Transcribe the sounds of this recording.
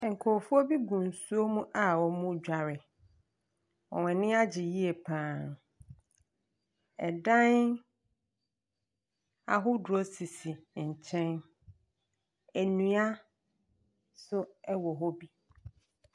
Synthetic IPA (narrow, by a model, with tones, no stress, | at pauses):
ŋ̩˨kʰɔ˨fu˦o˦bi˦ɡũ˨n˨su˦o˦mũ˦ʔa˦˨wɔ˨mʊ̃˦d͡ʑᶣa˨ɾɪ˨ | wɔ̰˨wɛ̃˨nɪ̃˦a˦d͡ʑɪ˨ji˦e˨pʰãː˨n | ɛ̰˨dã˦n | a̰˨ɦʊ˦dʊ˨ɔ˦si˨si˨ɲ̩˨t͡ɕʰɛ̃˦n | æ˨nũ˨a˦ | sʊ˦ɛ˦wɔ˨ɦɔ˦bi˦